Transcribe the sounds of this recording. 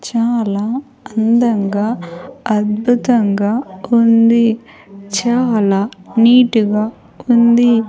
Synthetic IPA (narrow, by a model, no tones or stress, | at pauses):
t͡ʃaːlaː | ɐnd̪ɐŋɡaːɐd̪̚bʱut̪ɐŋɡaːund̪i | t͡ʃaːlaːniːʈuɡaː | und̪i